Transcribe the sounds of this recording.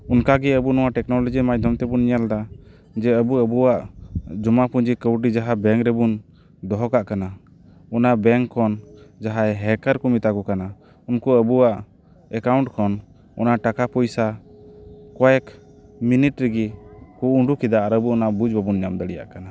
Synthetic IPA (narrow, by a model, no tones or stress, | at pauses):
unkaɡɛəbunɔwaʔʈɛknɔlɔd͡ʒimad͡ʒd̪ʱɔmt̪ɛbunɲald̪a | d͡ʒɛəbuəbuwaʔd͡ʒɔmapuɲd͡ʒikəwʈid͡ʒaɦabɛŋkɾɛbun | d̪ɔɦɔkaʔkana | unaʔbɛŋkʰːɔnd͡ʒaɦaɛɦɛkəɾkumit̪akɔkana | unkuəbuwaʔ | ɛkawɳʈkʰɔn | unaʔʈakapɔjsa | kɔɛk | miniʈɾiɡikuuɳɖukid̪aʔaɾəbuunaʔbud͡ʒbabunɲamd̪əɽɛja̰ʔkana